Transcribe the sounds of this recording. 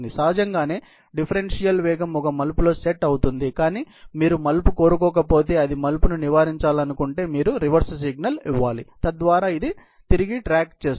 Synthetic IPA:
d̪isaːd͡ʒɐŋɡaːne̞ː | ɖipʰɐɾenʂijɐlʋɛːɡɐmɔkɐmɐlpulo̞ːseʈːɐwut̪und̪ikaːniː | miːɾumɐlpuko̞ːɾuk̬ɔːk̬ɐpo̞ːt̪e̞ːɐd̪imɐlpununiʋaːɾiɲt͡ʃaːlɐnukuɳʈe̞ːmiːɾuɾiʋɐɾssiɡnɐliʋːaːlit̪ɐd̪ʋaːɾaːid̪i | t̪iɾiɡiʈɾaːkt͡ʃe̞ːs

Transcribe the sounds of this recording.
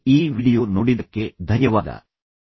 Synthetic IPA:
iːʋiːɽijo̞ːnoːɽid̪ɐkːe̞d̪ʱɐnjɐʋaːd̪ɐ̰

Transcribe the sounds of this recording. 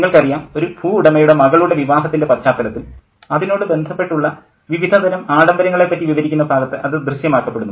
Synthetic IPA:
ŋːɐɭkɐrijaːno̞ɾubʱuːuɽɐmɐjuɽemɐɣɐɭuɽe̞ʋiʋaːɦɐt̪ːindepɐt͡ɕaːt̪ːɐlɐt̪ːil | ɐðino̞ːɽɨbe̞nd̪ʱɐpːeʈːuɭːɐ | ʋiʋid̪ʱɐd̪ɐnɐmaːɽɐmbɐɾɐŋːɐɭepːɐtːiʋiʋɐɾikʲːunːɐbʱaːɡɐt̪ːɨʔɐðɨd̪rɨɕjɐmaːkːɐpːe̞ɽunːu

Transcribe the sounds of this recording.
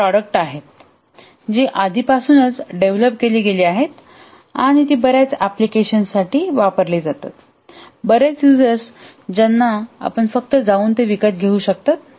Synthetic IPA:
pɾɔɽək̚ʈaɦet̪̚ | d͡ʑiʔad̪ʱipasuːnət͡sɖeʋləpkeliːɡeliːaɦet̪ | a̰ɽ̃it̪iːbəɾjat͡saplikeɕənsaʈiːʋapəɾliːd͡zat̪a̰t̪ | bəɾet͡sjud͡zəɾs | d͡ʑanːaa̰pəɳfək̚t̪əd͡zauːnt̪eʋikət̪̚ɡʱeuːɕək̚t̪at̪̚

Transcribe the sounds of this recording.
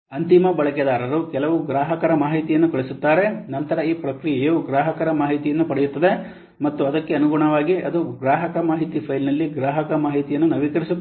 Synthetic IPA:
ɐnt̪imɐbɐɭɐkɛd̪aːɾɐɾukɛlɐʋuɡɾaːɦɐkɐɾɐmaːɦit̪ijɐnːukɐɭisut̪ːaːɾe̞nɐnt̪ɐɾɐiːpɾɐkɾijejuuɡɾaːɦɐkɐɾɐmaːɦit̪ijɐnːupɐɽɛjut̪ːɐd̪e̞ | mɐt̪ːuɐd̪ɐkːe̞ɐnuɡuɳɐʋaːɡiɐd̪uɡɾaːɦɐkɐmaːɦit̪ipʰɐjlnɐlːiɡɾaːɦɐkɐmaːɦit̪ijɐnːunɐʋikɐɾisut̪ː

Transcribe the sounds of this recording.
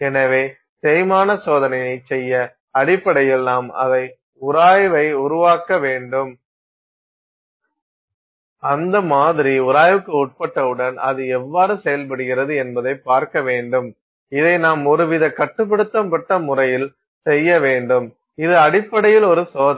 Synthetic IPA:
ɛnɐʋeː | t̪ɛːjmaːnɐsoːðɐnɐjɐɪt͡ʃɛjːɐ | ɐɽɪpːɐɽɐjɛlnːaːmɐ̰ðɐɪ | ʊɾaːjʋɐɪʊɾʊʋaːkɐʋeːɳɖɯm | ɐnd̪ɐmaːðɪɾiʊɾaːjʋɯkːɯʊʈ̚pɐʈːɐɯɽɐnɐ̰ðɯɛʋːaːɾɯsɛjɐlp̬ɐɽɯɣɪɾɐðɯɛnbɐðɐɪpːaːɾkɐʋeːɳɖɯm | ɪðɐɪnaːmɔɾɯʋɪðɐkɐʈːɯp̬ːɐɽɯt̪ːɐmpɐʈːɐmʊrɐjɪl | sɛjːɐʋeːɳɖɯm | ɪðɯɐɽɪpːɐɽɐjɪlɔɾɯsoː

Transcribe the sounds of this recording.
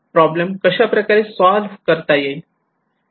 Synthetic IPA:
pɾɔbləmkəɕapɾəkaɾesɔlʋkəɾt̪aje

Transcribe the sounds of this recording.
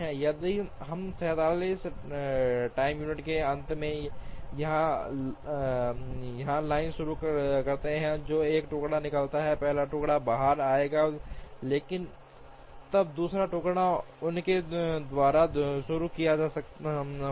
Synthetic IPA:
ɦɛ̃jɐd̪iɦɐmsɛːt̪aːliːs | ʈaːɪmjuːnɪʈkeɐ̃nt̪mẽjɐɦã | jɐɦãlaːɪnʃʊɾukkɐɾt̪eɦɛ̃d͡ʒoːeːkʈʊːkɽanɪkəlt̪aɦɛpɛɦlaʈʊːkɽabaːɦəɾaːeːɡaleːkɪn | t̪ɐb̚d̪uːsɾaʈʊːkɽa | ʊnked̪ʋaːɾaʃʊɾukijad͡ʒaːsɐkt̪

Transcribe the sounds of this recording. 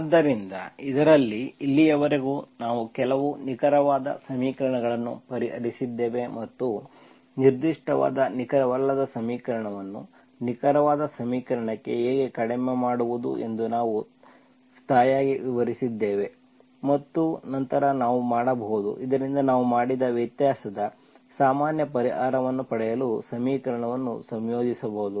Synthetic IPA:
d̪ːɐɾind̪ɐ̰id̪ɐɾɐlːiːlːijɐʋɐɾeɡuːnaːʋukɛlɐʋunikɐɾɐʋaːd̪ɐ̰sɐmiːkɐɾɐɳɐɡɐɭɐnːṵpɐɾiɦɐ̰ɾisid̪ːe̞ːʋe̞mɐt̪ːu | niɾd̪iʂʈɐʋa̰ːd̪ɐnikɐɾɐʋɐlːɐd̪ɐsɐmiːkɐɾɐɳɐʋɐnːu | nikɐɾɐʋaːd̪ɐsɐmiːkɐɾɐɳɐkːe̞̰ɦeːɡe̞kɐɽememaːɽuʋud̪ṵʔe̞̰nd̪unaːʋu | st̪ʰaːjaːɡiʋiʋɐɾisid̪ːe̞ːʋe̞ | mɐt̪ːunɐnt̪ɐɾɐnaːʋumaːɽɐbɐɦud̪ṵʔid̪ɐɾind̪ɐnaːʋumaːɽid̪ɐʋjɐt̪jaːsɐd̪ɐ | saːmaːnjɐpɐɾiɦaːɾɐʋɐnːupɐɽɛjɐlusɐmiːkɐɾɐɳɐʋɐnːṵsɐmjo̞ːd͡ʒisɐbɐud̪u

